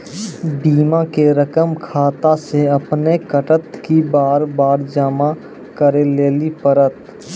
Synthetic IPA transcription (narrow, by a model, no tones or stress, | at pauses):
biːmakeɾəkəmkʰaːt̪aseɐpnekəʈət̪kibaːɾbaːɾd͡ʒəma | kəɾeleːlipəɾət̪